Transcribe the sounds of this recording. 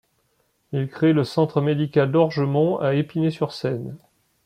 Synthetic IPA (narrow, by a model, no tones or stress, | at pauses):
ilkχeləsɑ̃t̪χəmed̪ikald̪ɔʁʒəmɔ̃aepinesyʁsɛn